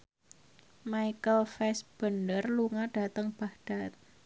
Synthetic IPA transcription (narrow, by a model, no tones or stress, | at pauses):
maikəlfɛsb̥əndərluŋaɖ̥a̤t̪əŋb̥ahɖ̥a̤t̪̚